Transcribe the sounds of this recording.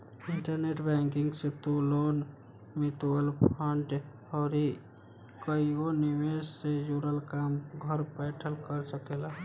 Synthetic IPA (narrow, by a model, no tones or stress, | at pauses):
ɪɳʈəɾneːʈbɛ̃ŋkɪ̃ŋɡset̪uloːn | met̪uɡəlpʰəɳʈ | ɔːɾi | kəionimessed͡ʒuɾəlkaːmɡʱəɾpɛːʈʰəlkəɾsəkela